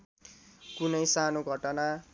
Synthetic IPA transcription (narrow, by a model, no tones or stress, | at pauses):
kunʌjsanoɡʱʌʈʌna